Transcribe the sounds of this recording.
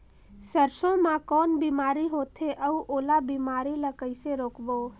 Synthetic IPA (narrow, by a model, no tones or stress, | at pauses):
səɾsõmãkɔːnbimaːɾiɦoːt̪ʰeʔəuʔoːlabimaːɾiləkəɪseɾoːkbo